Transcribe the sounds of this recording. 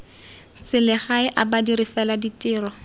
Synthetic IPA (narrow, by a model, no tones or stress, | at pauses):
t͡sɪlɪχaɪʔabadiɾɪfɛladitʼɪːrɔ